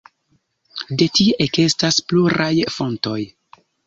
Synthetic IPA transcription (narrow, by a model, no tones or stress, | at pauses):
de̞tiʔe̞ke̞staspluɾajfo̞nto̞j